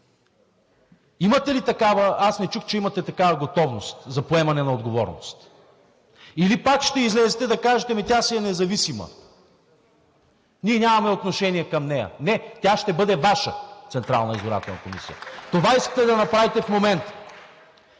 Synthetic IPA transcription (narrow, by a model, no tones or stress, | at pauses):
imɐt̪ɛlit̪ɐkavɐasnɛt͡ʃuxt͡ʃɛimɐt̪ɛt̪ɐkavɐɡot̪ɔvnost̪zɐpoɛmɐnɛnɐod̪ɡovɔ̰ɾno̰st̪ | ilipakʃt̪ɛizlɛzɛt̪ɛd̪ɐkaʒɛt̪ɛmɛt̪ʲasiɛnɛzɐvisimə̰ | niɛnʲamɐmɛot̪noʃɛniɛkɐmnɛjɐ̰nɛt̪ʲaʃt̪ɛbɤd̪ɛvaʃə̰t̪sɛnt̪ɾa̰lˠnɐizoɾa̰t̪ɛ̰lˠnɐ̰komḭsijə̰t̪ovaiskɐ̥t̪ɛd̪ɐnɐpɾavit̪ɛfmomɛnt̪